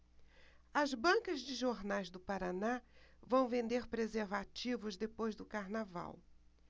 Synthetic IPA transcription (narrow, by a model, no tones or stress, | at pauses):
ɐzbɐ̃kɐzd͡ʒɪʒoɾnajzd̪ʊpaɾanavɐ̃w̃vẽnd̪eɾpɾezeɾvat͡ʃivʊzd̪epojzd̪ʊkaɾnava̰w